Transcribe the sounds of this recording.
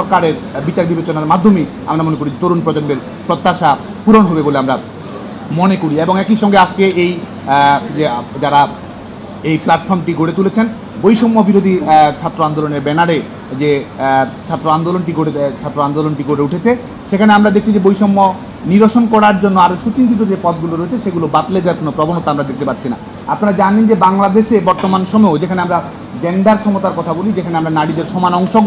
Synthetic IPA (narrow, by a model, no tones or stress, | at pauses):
ʃɔɾkaɾeɾ | bit͡ɕaɾbibet͡ɕonaɾmad̪ʱːomi | a̰mɾamonekoɾid͡ʑet̪oɾunpɾod͡ʑonbeɾ | pɾot̪ːaʃa | puɾonɦobeboleamɾa | monekoɾieboŋɛkiʃɔŋɡead͡ʑkeej | d͡ʑed͡ʑaɾa | ejplaʈfɔɾmʈiɡoɽet̪ulet͡ɕʰen | bojʃomːobiɾod̪ʱit͡ɕʰat̪ːɾoand̪oloneɾbɛnaɾe | d͡ʑe | t͡ɕʰat̪ːɾoand̪olonʈiɡoɽet͡ɕʰat̪ːɾoand̪olonʈiɡoɽeuʈʰet͡ɕʰe | ʃekʰaneamɾad̪ek̚t͡ɕʰid͡ʑebojʃomːo | niɾoʃonkɔɽaɾd͡ʑonːoaɾʃut͡ɕint̪it̪̬od͡ʑepɔt̪̚ɡuloɾoet͡ɕʰeʃeɡulobat̪led̪eaɾkonopɾɔbonot̪aamɾad̪ek̚ʰt̪epatːɕʰina̰ | apnaɾad͡ʑanend͡ʑebaŋlad̪eʃebɔɾt̪omanʃɔmeod͡ʑekʰaneamɾa | d͡ʑenɖaɾkʰɔmot̪aɾkɔt̪ʰabolid͡ʑekʰaneamɾanaɽid̪eɾʃɔmanɔŋʃoɡ